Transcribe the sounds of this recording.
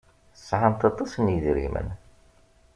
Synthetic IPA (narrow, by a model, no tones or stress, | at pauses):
θəsˤːʕamt̪ɑt̪ˤːɑsənjiðɾḭmə̰n